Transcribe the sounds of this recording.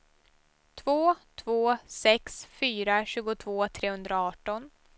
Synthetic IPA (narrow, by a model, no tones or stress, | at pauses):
t̪ʰvoːt̪ʰvoːsɛksfyːɾaɕʉ̟ːɡʊt̪ʰvoːt̪ʰɾeːhɵnd̪ɾaaɑːʈɔn